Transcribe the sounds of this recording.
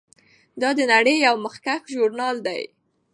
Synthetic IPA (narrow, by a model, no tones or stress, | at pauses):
d̪ɑd̪ənaɽəjːawməxkaxʒʊɾnɑld̪a̰j